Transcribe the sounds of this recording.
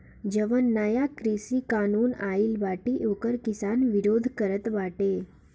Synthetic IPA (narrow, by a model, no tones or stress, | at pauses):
d͡ʒəʋənːajakɾisikaːnunailbaʈiʔokəɾkɪsanʋiɾoːd̪ʱkəɾət̪ʋaːʈe